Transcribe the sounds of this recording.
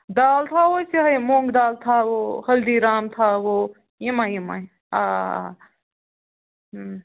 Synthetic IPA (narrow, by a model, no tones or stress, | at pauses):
d̪aːlt̪ʰaːwoseɦɐjmõːŋɡd̪aːlt̪ʰaːwohɐld̪iɾaːmt̪ʰaːwo | jimajima̰ | aː